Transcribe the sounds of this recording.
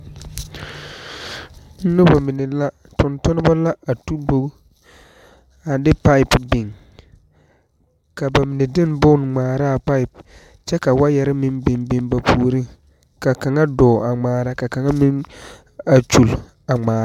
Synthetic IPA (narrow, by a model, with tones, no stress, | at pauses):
n̩˦nʊ˦ba˨mɪ˨nɪ˨la˦ | tʊ˨ntʊ˦nɪ˦ba˦la˦a˨tu˦bo˦ɡ | a˨dɪ˦pa˦ɪ˦pbɪ˨ŋ | ka˨ba˨mɪ˨nɪ˨dɪ˦n˦bʊ˦n˨ŋ͡maː˨ɾa˦˨pa˦ɪ˨p | t͡ʃɛ˦ka˨wa˦jɛ˨ɾɪ˦mɪ˦nbɪ˨mbɪ˦nba˨pʰuː˦ɾi˦ŋ | ka˨ka˨ŋa˦dɔː˨a˨ŋ͡maː˨ɾa˦ka˨ka˨ŋa˦mɪ˦n | a˨t͡ʃu˨l | a˨ŋ͡maː˨ɾa˦